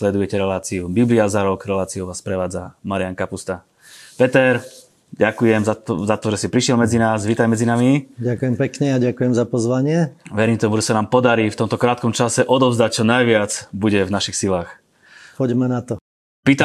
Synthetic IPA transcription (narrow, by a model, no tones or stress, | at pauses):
slɛd̪ujɛcɛɾɛlaːt͡siubibliazaɾɔɡɾɛlaːt͡siuʋaːspɾɛʋaːd͡zamaɾɪjaŋkapust̪a | pɛt̪ɛɾ | ɟakujɛmazat̪ɔʒɛsipɾiʃjɛlmɛd͡zinaːsʋiːt̪ajmɛd͡zinamiɟakujɛmpɛkɲɛaɟakujɛmzapɔzʋaɲɪɛʋɛɾiːmt̪ɔmuʒɛsanaːmpɔd̪aɾiːft̪ɔmt̪ɔkɾaːt̪kɔmt͡ʃasɛʔɔd̪ɔbzd̪ac̚t͡ʃɔnajʋɪat͡sbuɟɛvnaʃixsilaːx | pɔɟmɛnat̪ɔ | piːt̪a